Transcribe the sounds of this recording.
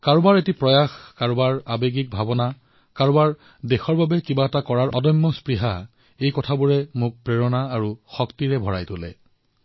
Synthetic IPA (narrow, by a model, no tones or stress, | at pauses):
kaɹʊbaɹetipɹɔjaxkaɹubaɹabeɡik̚bʱabɔna | kaɹʊbaɹ | dexɔɹbabɛkibaɛtakɔɹaɹʔɔdɔjmːɔspɹiɦa | ejkɔtʰabuɹɛmʊk̚pɹeɹɔnaːɹuxɔktiɹɛbʱɔɹa̰jtolɛ̰